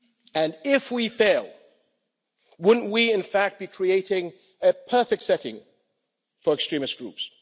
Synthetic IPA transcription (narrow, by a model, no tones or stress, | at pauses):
ɨ̃nɪfwifeɪlˠ | wʊdⁿn̩ʔwiɪ̃nfæk̚t̚b̥ikʰɹ̥ieɪɾɪ̃ŋ | ɨpʰɜ˞fɨk̚tsɛɾɪ̰̃ŋ | fə˞ɨkstɹ̥ĩmɨsɡ̥ɹʉ̰ps